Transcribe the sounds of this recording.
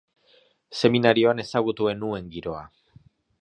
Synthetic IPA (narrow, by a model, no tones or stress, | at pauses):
se̞minaɾio̞ane̞saɣ̞ut̪ue̞nue̞ŋɡiɾo̞a̰